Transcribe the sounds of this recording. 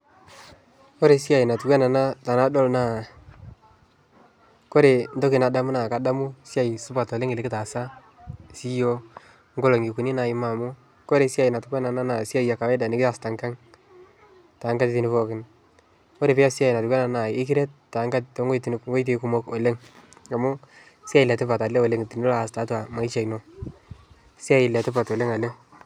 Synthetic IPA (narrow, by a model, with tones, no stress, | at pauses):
ko˦ɾe˨si˦a˨jna˨tu˨kwa˦na˨na˦ta˨na˦dɔ˦lna˦˨ | ko˦ɾe˨n˦do˦kɪ˨na˨da˦mʊ˦na˨ka˨da˦mʊ˦sja˨i˨sʊ˦ba˨tɔ˨le˦ŋɪ˨lɪ˨kɪ˦ta˨sa˦ | si˦jo˦ | ŋɡo˦lo˨ŋɪ˨ku˨ni˦na˨ɪ˦ma˨mʊ˦ | ko˦ɾe˨sja˦jna˨tkwa˦na˨na˦na˨si˦a˦ja˨ka˨wɛ˦da˨nɪ˨˦kɪ˦a˨sta˨ŋka˦ŋ | ta˨˦ŋɡa˦tɪ˨ti˦nɪ˨fɔ˦kɪ˦n | o˦ɾe˨pɪ˦ja˦sja˨jɪ˨na˨ʊ˨kwa˦na˨na˨ɪ˦kɪ˦ɾɛ˦t̚tːa˨˦ŋka˦tto˦ŋɡo˦tnŋɡo˦jt̬e˨ku˦mo˦ko˨le˦ŋa˨mʊ˦ | sja˦jɪ˨lɛ˨te˦pa˨ta˨le˦o˨le˦ŋti˨n˦la˦a˨sta˨˦twa˨ma˨ɪ˦t͡ʃa˨jno˨ | si˦a˦jɪ˨lɛ˨tɪ˦p̬a˨to˨le˦ŋa˨le˦